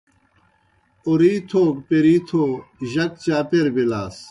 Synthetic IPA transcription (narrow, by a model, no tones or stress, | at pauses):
uɾiːt̪ʰoːkpeɾiːt̪ʰoːʑɐk̚t͡ɕaːpeɾbilaːs